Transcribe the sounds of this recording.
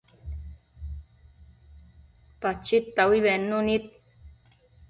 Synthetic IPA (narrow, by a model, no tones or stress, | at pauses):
pat͡ʃit̪ːawiβenːunit̪̚